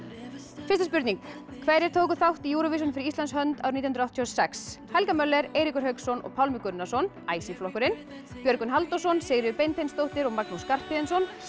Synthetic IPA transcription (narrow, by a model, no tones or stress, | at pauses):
fɪst̪aspʏɾt̪niŋk | kʰvɛjɾɪɾt̪ʰowkʏθawht̪ijuːɾɔvis̬ʏnfɪɾɪist̪anshœnt̪a̰wɾnit̪jhnɾawht̪ʰjhɔsɛkshajlkamœlɛɾejɾikʏɾ̥hœɥksɔnɔ̰ɣpʰawlmɪkʏnːasɔn | aːjsinflɔhkʏɾɪn | pjœɾkʏnɦalt̪ɔsɔnseːɣɾɪʏpejnt̪ʰejnst̪owht̪ɪɾɔɣmaknuskar̥pɪðɛnsɔn